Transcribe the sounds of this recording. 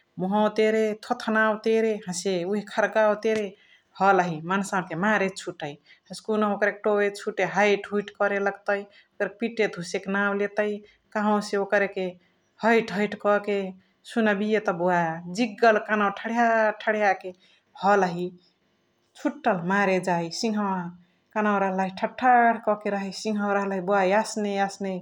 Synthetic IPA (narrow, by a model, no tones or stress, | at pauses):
muɦɔ̃wt̪eɾet̪ʰot̪ʰnawt̪eɾeɦãseuɦikʰəɾkawt̪eɾe | hɔləɦimansãnk̪emaɾet͡ʃʰuʈəi | əskunəɦokɾek̚ʈobet͡ʃʰuʈeɦəjʈʰɦuiʈkɔɾeləɡt̪əj | okɾekepiʈːed̪ʱuseknawlet̪əj | kaɦõseokɾeke | həjʈɦəjʈkɔke | sunəbijet̪ɔbuad͡ʒiɡːəlkanawʈʰəɽjaʈʰəɽjake | hɔlɦi | t͡ʃʰuʈːəlmaɾed͡ʒajsiŋɦə | kanaw̃ɾəɦələɦiʈʰəʈʰːaɽkɔkeɾəɦəjsiŋɦə̃ɾəɦlɦibuajasneasne